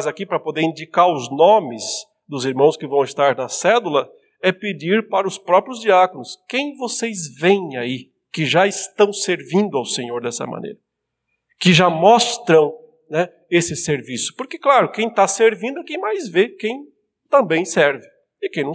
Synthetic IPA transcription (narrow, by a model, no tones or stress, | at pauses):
zakipɾɐpod̪eɾĩd͡ʒikaɾʊznõmɪz | d̪ʊziɾmɐ̃w̃skɪvɐ̃w̃ɪst̪aɾnɐsɛlulɐ | ɛpɪd͡ʒiɾpaɾɐʊspɾɔpɾjʊzd͡ʒiakonʊskẽj̃vosejzvẽj̃ai | kɪʒaɪst̪ɐ̃w̃seɾvĩnd̪ʊawsẽɲoɾd̪ɛsɐ̰mɐ̰nḛjɾɐ | kɪʒamɔst̪ɾɐ̃w̃ | nɛ | esɪseɾvisʊ̥pʊɾkɪklaɾʊkẽj̃t̪aseɾvĩnd̪ʊkẽj̃majzvekẽj̃ | t̪ɐ̃mbẽj̃sɛɾvɪ | ɪkẽj̃nɐ̃w